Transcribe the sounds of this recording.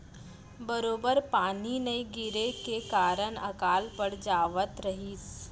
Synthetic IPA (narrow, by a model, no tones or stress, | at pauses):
bəɾoːbəɾpaːninɐiɡɪɾekekaːɾənɐkaːlpəɽd͡ʒaːʋət̪ɾɐɦiːs